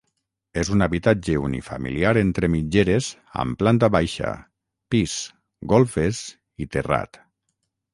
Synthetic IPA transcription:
ezunaβit̪ad͡ʒeunḭfamḭliaɾent̪ɾemid͡ʒeɾez | a̰mplant̪aβajʃa̰ | piz̥ | ɡɔlˠfez | it̪era̰t̪

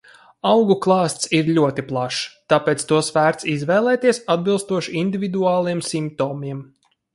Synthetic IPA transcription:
awɡuklˠɑːst̪siɾʎʲuɔt̪iplˠaʃt̪aːpɛːt̪st̪uɔsvæːɾt̪sizvɛːlˠɛːt̪iɛsad̪̚bilˠst̪uɔʃiind̪ʲivʲid̪uaːlˠiɛmsimp̚t̪oːmiɛm

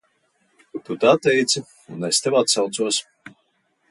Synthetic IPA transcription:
ut̪ut̪at̪ɛjt̪sɨ | unɛst̪ʲɛwat̪sawt̪suɔs

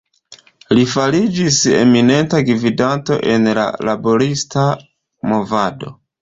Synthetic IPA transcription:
lifalid͡ʒise̞̰mine̞ntaɡvidanto̞̰ʔe̞nla̰labo̞ɾista | mo̞vado̞̰

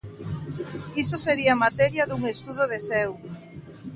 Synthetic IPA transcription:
isoseɾiɐmat̪ɛɾjɐðuŋest̪uðoðesɛw

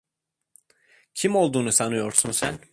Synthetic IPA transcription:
cʰimo̞lˠd̪uːnusanɯjo̞ɾsunsæ̰n

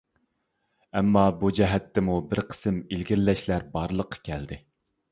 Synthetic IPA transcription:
ɛmːɑbud͡ʒɛɦɛt̪ʰːɛmubɪɾqʰə̥sɨmilɡʲiɾlːɛʃlæɾbɑɾlˠəqʰːɑ̥kʲʰɛld̪ɪ

